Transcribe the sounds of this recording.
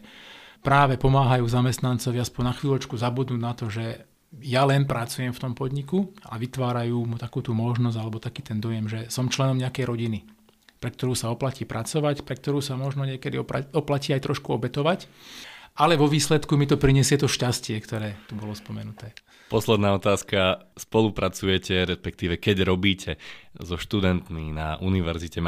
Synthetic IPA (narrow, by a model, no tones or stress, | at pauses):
pɾaːʋɛpɔmaːɦajuːzamɛst̪nant͡sɔʋiaspɔɲnaxʋiːlɔt͡ʃkuzabud̪nuːnat̪ɔʒɛ | jalɛnpɾat͡sujɛmft̪ɔmpɔd̪ɲikua̰ʋit̪ʋaːɾajuːmut̪akuːt̪umɔʒnɔzalɛbɔt̪akiːt̪ɛnd̪ɔjɛmʒɛsɔmt͡ʃlɛnɔmɲɛakɛjɾɔɟini | pɾɛk̚t̪ɔɾuːsaɔplaciːpɾʔat͡sɔʋacpɾɛk̚t̪ɔɾuːsamɔʒnɔɲɪɛkɛd̪iɔpaɔplaciːajt̪ɾɔʃkuɔbɛt̪ɔʋac | ʔalɛʋɔʋiːslɛt̪kumit̪ɔpɾiɲɛsɪɛt̪ɔʃcascɪɛkt̪ɔɾɛːt̪ubɔlɔspɔmɛnut̪ɛː | pɔslɛd̪naːɔt̪aːskaspɔlupɾat͡sujɛcʰɛɾɛspɛk̚t̪iːʋɛkɛɟɾɔbiːcʰɛzɔʃt̪ud̪ɛnt̪minaʔuniʋɛɾzicɛ